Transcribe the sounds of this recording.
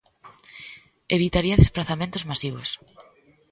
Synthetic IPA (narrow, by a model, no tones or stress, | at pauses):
eβit̪aɾiɐðesplaθamẽnt̪ʊzmasiβ̞os